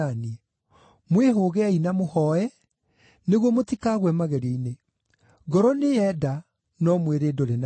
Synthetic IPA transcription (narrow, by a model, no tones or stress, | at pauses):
ani | mweɦoɣɛainamohɔɛ | neɣwɔmotikaːɣwɛmaɣɛɾeine | ɡɔɾɔneɛda | nɔmweɾedoɾena